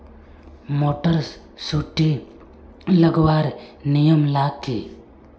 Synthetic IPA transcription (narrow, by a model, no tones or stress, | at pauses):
moːʈəɾs | suʈːi | ləɡwaːɾnijəmlaːkːi